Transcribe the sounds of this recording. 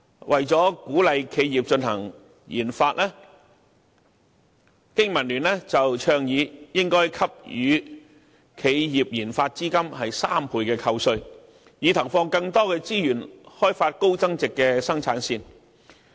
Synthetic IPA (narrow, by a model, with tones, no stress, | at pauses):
wʔɐ˨jt͡sɔː˨˥kuː˨˥lɐ˨jkʰe˨˧jjiː˨p̚t͡ʃɵ˧nhɐ̰˨˩ŋ | jiː˨˩nfaː˧t̚ʔɛː˥ | kɪ˥ŋmɐ˨˩nlyː˨˩nlɛ˥t͡sɐ˨wt͡ʃʰœː˧ŋjiː˨˧jɪ˥ŋkɔː˥jkʰɐ˥p̚jyː˨˧ | kʰe˨˧jjiː˨p̚jiː˨˩nfaː˧t̚t͡siː˥kɐ˥mhɐ˨jsaː˥mpʰuː˧jkɛː˧kʰɐ˧wsɵ˧ɥ | jiː˨˧t̪ʰɐ˨˩wfɔː˧ŋkɐ˧ŋt̪ɔː˥kɛː˧t͡siː˥jyː˨˩nhɔː˥jfaː˧t̚ko˥wt͡sɐ˥ŋt͡sɪ˨kːɛː˧sɐ˥ŋt͡sʰaː˨˥nsiː˧n